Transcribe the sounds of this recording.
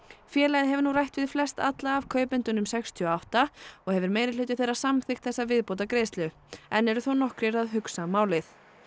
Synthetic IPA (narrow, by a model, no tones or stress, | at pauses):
fjɛːlajðɪɦɛvʏɾnurajht̪vɪðflɛst̪a̰t̪laːvkʰœːɥpʏnt̪ʏnʏmsɛkst̪ʰʏɔawht̪aɔɣhɛvʏɾmeːjɾɪleɥjt̪ʏθejɾrḁsamθɪxt̪θɛsːavɪðpowt̪̬akɾeːjst̪lʏ | ɛnːɛɾʏθownɔhkɾɪɾaðɦʏksamaːwlɪθ